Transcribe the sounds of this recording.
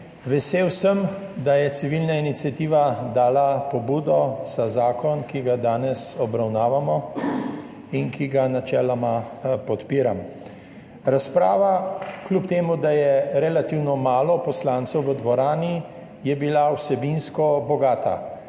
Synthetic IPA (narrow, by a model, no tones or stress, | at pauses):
ʋɛseːwsəmd̪ajɛt̪siʋilnainit̪sʲjat̪iːʋad̪aːlapɔbuːd̪ɔz̥azaːkɔnkiɡad̪aːnɛsɔbɾawnaːʋamɔ | inkiɡanat͡ʃɛːlamapɔt̪piːɾam | ɾaspɾa̰ːʋaklʲupt̪eːmud̪ajɛɾɛlat̪iwnɔmaːlɔpɔslãnt̪sɛwʋəd̪ʋɔɾaːni | jɛbilawsɛbinskɔbɔɡaːt̪a̰